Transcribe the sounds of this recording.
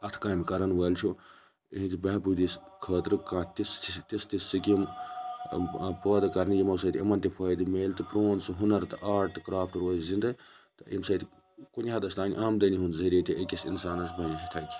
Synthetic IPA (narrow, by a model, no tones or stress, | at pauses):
ɐt̪ʰkaːmkɐɾɐnʋɐːlt͡ʃʰu | iɦĩt̪ibɐbud̪iskʰəːt̪ɾɨkãːt̪ist̪ist̪isːikʲim | pəːd̪ɨkɐɾnijimɐsɐt̪ɐ̰mɐnt̪ipʰɐːd̪imeːlt̪ɨpɾoːnsuɦunɐɾt̪ɨʔaːʈ̚t̪ɨkɾaːpʰʈɾoːzzind̪ɨt̪ɨʔḭmsɐt̪ʲ | kunʲɦaːd̪ɐst̪aːnʲḭʔaːmd̪ɐniɦund̪zɐɾʲiːt̪ʲiekʲisḭnsaːnɐsbɐnʲɐɦit̪ʰɐkʲi̥